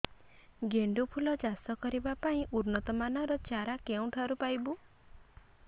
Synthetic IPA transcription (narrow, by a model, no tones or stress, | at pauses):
ɡeɳɖupʰulɔd͡ʒast̪ɔkɔɾibapaĩʔuɾnɔt̪ɔmanɔɾɔt͡ʃaɾakeũʈʰaɾupajbu